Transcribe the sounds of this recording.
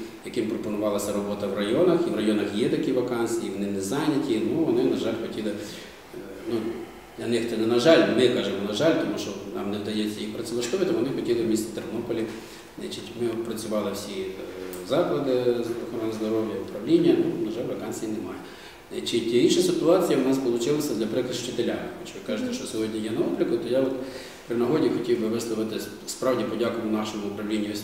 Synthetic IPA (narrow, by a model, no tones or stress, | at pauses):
jɐkɪmpɾɔpɔnʊʋɑlˠɐsʲɐɾɔbɔt̪ɐwrɐjɔnɐxiʋrɐjɔnɐxjɛt̪ɐkiʋɐkɑnsɨiiʋɔnɪnɛzɑnʲɐtʲinuʋɔnɪnɐʒɑlʲxɔtʲilˠɪ | nu | d̪lʲɐnɪxt̪ɪnɛnɐʒɑlʲmɪkɑʒɪmɔnɐʒɑlʲt̪ɔmuʃt͡ʃɔnɑ̰mnɛd̪ɐjɛt͡sʲːɐjixpɾɐsʲɪlˠɐʃt̪ɔʋʲɪt̪ɐkʋɔnɪxɔtʲilˠɪwmʲist̪ʲɪ̥t̪ernɔpɔlʲi | nɛ̰t͡ʃɪtʲmɪpɾɐt͡sʲʊʋɑlˠɪwsʲizɑklˠɐd̪ɪzʋɐxɔɾɔnɪzd̪ɔɾɔwjɐʊ̰pɾɐʋlʲinʲːɐnunɐʒɑlʲɾɐkɑnʲt͡sʲijinɛmɑjɛ | ɛt͡ʃɪtʲiinʃɐsʲɪt̪ʊɑt͡sʲijɐʊnɑsspɔlˠʊt͡ʃɪlˠɐsʲɐd̪lʲɐpɾɪkɪʃt͡ʃɪt̪elʲamɪmɔt͡ʃʋɪkɑʒɪt̪ɛʃt͡ʃɔsʲɔɦɔdʲnʲijɛnɐɔblʲɪkʊt̪ɔjaɔt̪ | pɾɪnɐɦɔdʲixɔtʲiwbɪʋɪslˠɔʋɪt̪ɪ | spɾɑwdʲipɔdʲakʊʋnɑʃɔmʊʊpɾɐwlʲinʲːisʲ